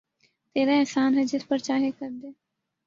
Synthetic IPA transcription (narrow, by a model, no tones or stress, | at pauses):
t̪eːɾaɛɦsaːnɦɛd͡ʒɪspəɾt͡ʃaːɦekɐɾd̪eː